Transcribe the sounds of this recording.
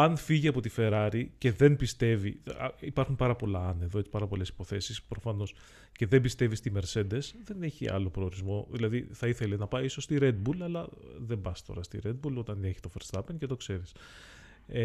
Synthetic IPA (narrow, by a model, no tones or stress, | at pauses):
ɐnfiʝiɐpo̞t̪ife̞ɾɐɾice̞ðe̞nbist̪e̞vḭipɐɾxumpɐɾɐpo̞lɐɐneðo̞et͡si̥pɐɾɐpo̞le̞si̥po̞θe̞sispɾo̞fɐno̞s | ce̞ðe̞mbist̪e̞vist̪ime̞ɾse̞d̪e̞sðe̞ne̞çiɐ̰lo̞pɾo̞ːɾizmo̞ðilɐðiθɐiθe̞lenɐpɐijiso̞st̪iɾe̞d̪̚bulɐlɐðe̞mbɐst̪o̞̰ɾɐst̪ḭɾe̞d̪̚bulo̞t̪ɐne̞çi̥t̪o̞feɾst̪ɐpencet̪o̞kse̞ɾis